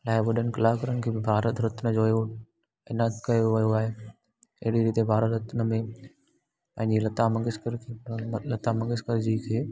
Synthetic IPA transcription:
laːeʋəɗənkɐlaːkɐɾənkʰeːbɪbʱaːɾət̪ɾɐt̪nəd͡ʑoːeo | ɪnakɐjoʋɐjoaːɦeː | ɐɦɪɽiɾiːt̪ebʱaːɾət̪ɾɐt̪nəmẽ | pɐ̃ɦɪ̃ɲd͡ʑelɐt̪amɐ̃ŋɡɪskəɾkelɐt̪amɐ̃ŋɡɪskɐɾd͡ʑiːkʰeː

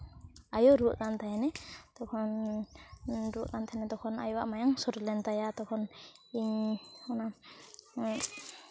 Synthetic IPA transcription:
ajɔɾuʔkant̪ʰajnɛt̪ɔkʰɔn | ɾuʔkant̪ʰajnɛt̪ɔkʰɔna̰jɔwaʔmajaŋsɔɾlɛnt̪ajat̪ɔkʰɔniɲɔna

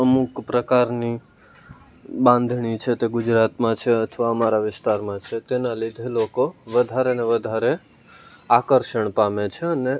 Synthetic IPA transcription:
əmukpɾəkaɾni | bãnd̪ʱɳit͡ʃʰet̪eɡʊd͡ʒɾat̪mãt͡ʃʰeət̪ʰʋaəmaɾaʋɪst̪aɾmãt͡ʃʰet̪enalid̪ʱelokoʋəd̪ʱaɾeəneʋəd̪ʱaɾe | akəɾʃəɳpamet͡ʃʰeəne

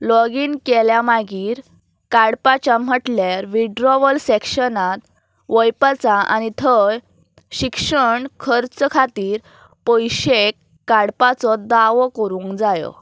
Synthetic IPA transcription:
lɔɡiːnkɛljamaɡiːɾ | kaɽpat͡ɕjam̤əʈljaɾʋiɖɾɔʋəlsekɕənat̪ | ʋəjpat͡saʔa̰ñit̪ʰəj | ɕikʂəɳkʰəɾt͡skʰat̪iːɾ | pɔjɕekː | aɽpat͡sɔd̪aʋɔkəɾũŋkd͡zajɔ̰

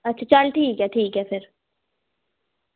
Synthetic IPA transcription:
ɐtːʃʰat͡ʃɐlʈʰiːkɦɛʈʰiːkɦɛpʰɪɾ

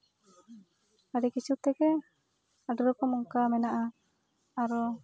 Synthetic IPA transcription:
aɖɛkisut̪ɛɡɛ | aɖɔɾɔkɔmɔŋkamɛnaʔa | aɾɔ

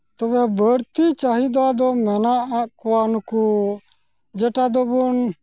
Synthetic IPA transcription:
t̪ɔbɛbəɾt̪it͡ʃaɦid̪ad̪ɔmɛnaʔakuwanku | d͡ʒɛʈad̪ɔbɔn

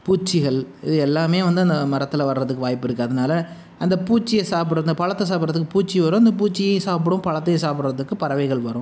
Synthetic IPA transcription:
puːt͡ʃːɪɣɐɭɪðɯɛlːaːmeːʋɐnd̪ɯɐnd̪ɐmɐɾɐt̪ːɯlɐʋɐɾɾɐðɯkːɯʋaːjpːɪɾɯkːɯɐðɐnaːlɐ | ʔɐnd̪ɐpuːt͡ʃːɪjɐsaːp̬ɪɽɐnd̪ɐpɐɻɐt̪ːɐsaːp̬ɾɐðɯkːɯpuːt͡ʃːiʋɐɾʊ̃ɐnd̪ɐpuːt͡ʃːɪjɐsaːp̬ɯɽɯ̃mpɐɻɐt̪ːɐjɐsaːpɪɽɾɐðɯkːɯpɐɾɐʋɐɪɣɐɭʋɐɾʊ̃

